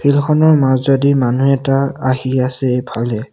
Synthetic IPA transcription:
pʰilxɔnɔɹmazzɔdimanuɛtaaɦiasɛbʰʱalɛ

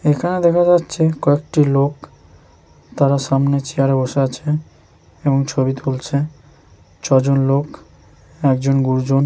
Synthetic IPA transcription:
ekʰaned̪ɛkʰad͡ʑatːɕʰekɔek̚ʈilok | t̪aɾaʃamnet͡ɕiaɾeboʃeat͡ɕʰe | eboŋt͡ɕʰobit̪ʰult͡ɕʰe | t͡ɕʰɔd͡ʑonlok | ɛk̚d͡ʑonɡuɾd͡ʑon

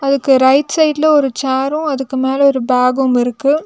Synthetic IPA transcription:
ɐðɯkːɯɾɐɪʈsɐɪʈlɐɔɾɯt͡ʃaːɾʊ̃ɐðɯkːɯmeːlɐɔɾɯbaːɡʊmɪɾɯkːɯ

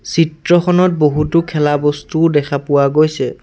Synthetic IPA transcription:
sitɹɔxʰɔnɔt̚boɦutʊkʰɛlabɔstudɛkʰapʊwaɡojsɛ

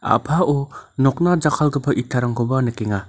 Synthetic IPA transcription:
a̰pʰaɔnɔk̚nad͡ʒakʰalɡɯpʰaʔitʰːaɾaŋkobanɯkeŋa

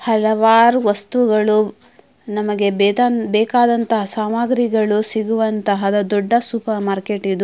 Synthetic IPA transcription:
hɐlɐʋaːɾuʋɐst̪uɡɐɭu | nɐmɐɡe̞bɛːkaːd̪ɐnt̪ɐɦɐsaːmaːɡɾiɡɐɭusiɡuʋɐnt̪ɐɦɐd̪ɐd̪ɔɖːɐsuːpɐɾmaːɾkeʈid̪u

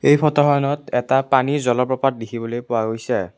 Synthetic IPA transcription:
ejpʰɔtɔɦɔjɔnɔtɛtapanizɔlɔpɹɔpat̚dikʰibɔlojpʊwaɡojsɛ

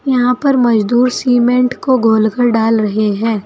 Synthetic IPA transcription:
jɐɦãpɐɾmɐd͡ʒd̪uːɾsiːmẽɳʈkoɡʱoːlkəɾɖaːlɾɐɦeɦɛ̃ː

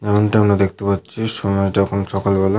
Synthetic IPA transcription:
ɛmoɳʈiamɾad̪ekʰt̪epatːɕʰiʃɔmaed͡ʑɔkʰonʃɔkalbɔle

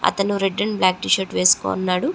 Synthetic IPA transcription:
ɐ̰t̪ɐnuɾeɖːɐnblaːk̚ʈiʃɐɾʈʋeːsu̥ko̰ːnːaːɽu

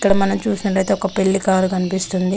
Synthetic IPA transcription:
ikːɐɽɐmɐnɐmt͡ʃuːsinɐʈɐjt̪̬eɔkɐpe̞ɭːikaːɾukɐnipist̪und̪i

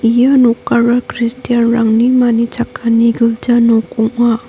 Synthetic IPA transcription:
ijanokaɾakɾistijanɾaŋnimanit͡ʃʰakʰːaniɡɯld͡ʒanokɔŋa

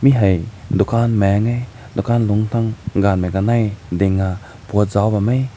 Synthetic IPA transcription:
miɦɐjd̪ukʰanmɛŋej | d̪ukʰanluŋt̪ʰaŋɡanmekanɐjd̪ɪŋa | put̚zawbamej

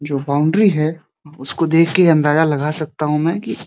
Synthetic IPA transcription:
d͡ʒoːbaːʊ̃ɳɖɾiɦɛː | ʊskod̪eːkʰkeɐ̃nd̪aːzalɐɡasɐk̚t̪aɦũmɛ̃ːki

